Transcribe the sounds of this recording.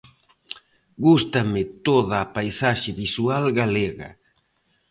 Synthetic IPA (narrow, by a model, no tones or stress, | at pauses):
ɡust̪amɪt̪oðaːpajsaʃɪβisualɡaleɣa̰